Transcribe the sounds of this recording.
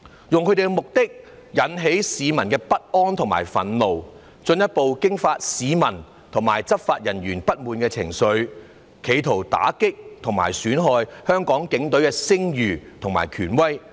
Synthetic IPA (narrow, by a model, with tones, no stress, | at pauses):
jʊ˨ŋkʰɵ˧˥t̪e˨˩ɡɛ˧mʊ˨k̚t̪ɪ˥k̚ | jɐ˨˥nɦe˨˥jsiː˨˧mɐ˨˩nkɛː˧pɐ˥t̚ʔɔː˥nt̪ʰʊ˨˩ŋma̰ː˨˩jfɐ̰˨˥nlo˨w | t͡sɵ˧njɐ˥t̚po˨˧wkɪ˥ŋfaː˧t̚siː˨˧mɐ˨˩n | t̪ʰʊ˨˩ŋmaː˨˩jt͡sɐ˥p̚faː˧t̚jɐ˨˩njyː˨˩npɐ˥t̚muː˨˧nkɛː˧t͡sʰɪ̰˨˩ŋsɵ˨˧ɥ | kʰe˨˧jt̪ʰo˨˩wt̪a̰ː˨˥kɪ˥k̚t̪ʰʊ˨˩ŋma̰ː˨˩jsyː˨˥nɦɔː˨˧jhœː˥ŋkɔː˨˥ŋkɪ˨˥ŋt̪ɵ˨˥ɥkɛː˧sɪ˥ŋjyː˨˩t̪ʰʊ˨ŋma̰ː˨˩jkʰyː˨˩nwɐ˥j